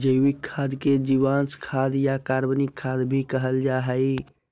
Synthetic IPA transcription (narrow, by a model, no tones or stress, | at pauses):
d͡ʒəjwikʰːad̪ked͡ʒiwanskʰad̪jakaɾbənikʰːad̪bʱikəɦəld͡ʒaɦəj